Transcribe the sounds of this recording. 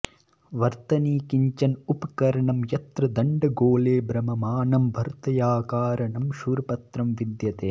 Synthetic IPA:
ʋɐɾt̪ɐniːkiɲt͡ʃɐnupɐkɐɾɐɳɐmjɐt̪ɾɐd̪ɐɳɖɐɡoːleːbɾɐmɐmaːnɐmbʱɐɾt̪ɐjaːkaːɾɐɳɐmʃuːɾɐpɐt̪ɾɐmʋid̪jɐt̪eː

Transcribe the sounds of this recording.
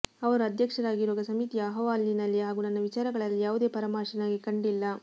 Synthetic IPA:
ɐʋɐɾuɐd̪ʱjɐkʂɐɾaːɡiɾuʋɐɡɐsɐmit̪ijɐːɦɐʋaːlːinɐlːiɦaːɡuːnɐnːɐʋit͡ʃaːɾɐɡɐɭɐlːijaːʋud̪e̞ːpɐɾɐmaːʃinaːɡikɐɳɖilːɐ

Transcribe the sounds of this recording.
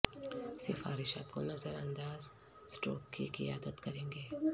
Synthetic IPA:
sɪfa̰ːɾɪʃa̰ːt̪ko̰nɐzəɾɐ̃nd̪aːz | sʈo̰ːkkḭkɪjaːd̪ət̪kɐɾẽːŋɡeː

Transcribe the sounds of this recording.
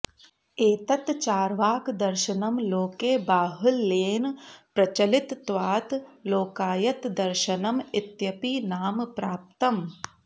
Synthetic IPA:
eːt̪ɐt̪t͡ʃaːɾʋaːkd̪ɐɾʃɐnɐmloːkeːbaːɦɐlːeːnpɾɐt͡ʃɐlɪt̪ːʋaːt̪loːkaːjɐt̪d̪ɐɾʃɐnɐmɪt̪jɐpiːnaːmpɾaːp̚t̪ɐm

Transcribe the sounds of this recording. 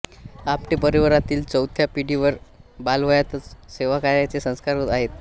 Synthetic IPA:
apʈipəɾiʋəɾat̪iːlt͡səwt̪ʰjapiɽiʋəɾbalʋəjat̪ət͡sseʋakaɾjat͡sesə̃skaɾot̪aɦet̪

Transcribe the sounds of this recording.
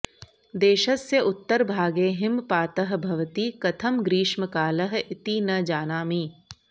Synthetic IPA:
d̪eːʃɐsːeʔʊt̪ːəɾbʱaːɡeːɦɪmpaːt̪ɐɦbʱɐʋt̪iːkɐt̪ʰɐmɡɾiːʃməkaːlɐɦɪt̪inɐd͡ʒaːnaːmiː

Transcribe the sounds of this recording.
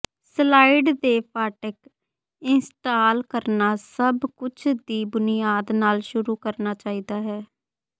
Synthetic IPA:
slaːiɖd̪eːpʰaːʈɪk | ɪnsʈaːlkəɾnaːsəbkʊt͡ʃʰd̪iːbʊnɪjaːd̪naːlʃʊɾuːkəɾnaːt͡ʃaːiːd̪aːɦɛː

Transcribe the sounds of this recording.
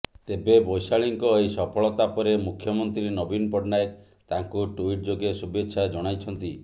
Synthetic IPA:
t̪ebebojsaɭiŋkɔejsɔpʰɔɭɔt̪apɔɾemukʰjɔmɔnt̪ɾinɔbinpɔɖnajek | t̪aŋkuʈuiʈ̚d͡ʒoɡesubetːʃʰad͡ʒɔɽ̃ajt͡ʃʰɔnt̪i

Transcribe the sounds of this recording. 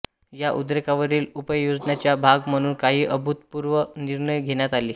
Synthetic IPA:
jaʔud̪ɾekaʋəɾiːlupəjod͡zɳjat͡ɕjabʱaɡm̤əɽ̃uːnkaɦiːʔəbʱut̪puɾʋəniɾɳəjɡʱenjat̪aliː

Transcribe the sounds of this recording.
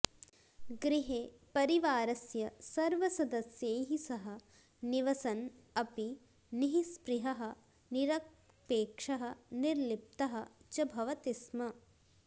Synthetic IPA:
ɡɾiɦeːpɐɾiʋaːɾɐsjɐsɐɾʋɐsɐd̪ɐsjeːɦisɐɦɐ | niʋɐsɐnɐpi | niɦispɾiɦɐɦɐ̆ | niɾɐ | peːkʂɐɦɐniɾlip̚t̪ɐɦɐt͡ʃɐbʱɐʋɐt̪ismɐ

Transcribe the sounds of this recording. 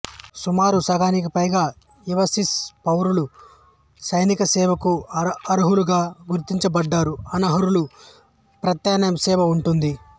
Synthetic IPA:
sumaːɾusɐɡaːnik̬ipɐjɡaː | iʋɐsispɐwɾulu | sɐjnikɐsɛːʋɐkuɐɾuɦuluɡaːɡuɾt̪iɲt͡ʃɐbɐɖːaːɾuɐnɐɦɐɾulu | pɾɐt̪jaːnjɐmsɛːʋɐuɳʈund̪i

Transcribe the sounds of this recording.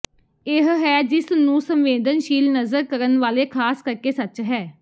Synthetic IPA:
ɪɦɦɛːd͡ʒɪsnũːsəmʋeːd̪ənʃiːlnəzəɾkəɾənʋaːleːkʰaːskəɾkeːsət͡ʃɦɛː

